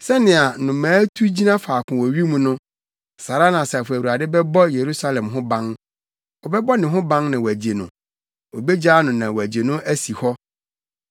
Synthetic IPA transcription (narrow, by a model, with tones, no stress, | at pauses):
sɛ˦nɪ̃˨a˨nʊ̃˨mãː˨˦tʰu˦d͡ʑi˦nã˦faː˨kʰʊ̃˨wɔ˨ɥi˦mũ˦nʊ̃˦ | sa˨ɾa˦nã˨sfu˨æ˨wu˨a˨dɪ˦bɛ˦bɔ˦je˨ɾu˦sa˦lɛ̃˨mɦʊ̃˦bã˦ŋ | ɔ˨bɛ˦bɔ˦nɪ̃˨ɦʊ̃˦bã˦ŋnã˨wɔ˨æ˨d͡ʑe˨nʊ̰̃˨ | o˨be˦d͡ʑa˦nʊ̃˨nã˨wɔ˨æ˨d͡ʑe˨nʊ̃˦ʔæ˦si˨hɔ˦